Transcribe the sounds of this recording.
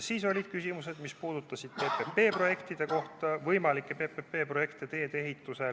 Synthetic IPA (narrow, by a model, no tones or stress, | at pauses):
siːso̞lʲid̪̥kysʲimuse̞d̪mispuːd̪̥ut̪ːˑɑsid̪̥pe̞pe̞pe̞ːpro̞je̞kt̪id̪̥e̞ko̞ht̪ɑvɤjmɑlikːˑe̞pe̞pepe̞ːpro̞je̞kt̪et̪e̞ːd̪e̞ɦit̪ːˑuse̞